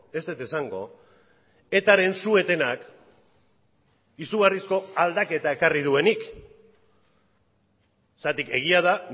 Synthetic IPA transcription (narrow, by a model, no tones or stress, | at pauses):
e̞st̪et̪esaŋɡo̞̰ | e̞t̪aɾe̞nsue̞t̪e̞nak | isuɣarisko̞ald̪ake̞t̪ae̞karið̞ue̞nik | sat̪ike̞ɣ̞iaða